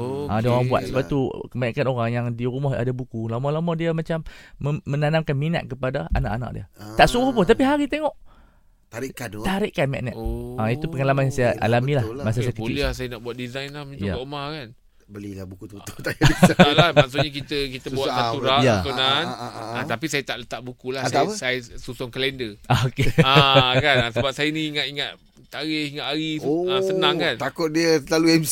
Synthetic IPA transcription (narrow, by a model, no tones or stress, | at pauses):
ʔadiaoɣaŋbua̰t̪̚səbap̚t̪ukəmanakanoɾaŋjaŋdiɾumɔɦa̰dabukulamɔlamɔdiamat͡ʃaməmə̃nanamkanmina̰t̪̚kəpadaa̰na̰ʔana̰ʔ̚dḭət̪aʔsuɣohpʊnt̪̬apiɦaɾit̪eŋɔʔ̪ | aɾit̪aɾɪʔkanmɛ̰ʔnɛ̰ait̪upəŋalamanjasajaʔa̰lamilahmas̬as̬ək̪əiliahsajanaʔbuat̪̚dizajnlahmuɲd͡ʒa̰makan | bəlilabukut̪uəot̪ajalahmaksuʔɲak̬it̪əkit̪əbuwat̪sat̪uɾajatunanat̪apisajət̪aʔlət̪aʔbukulasaəsajsusɔŋkəlɛndəookeakanasəəbap̚sajəniiŋat̪iŋat̪̚ | t̪aɾɪhiŋaʔ̪aɾiasənãŋkant̪akʊt̪̚diəlaluɛms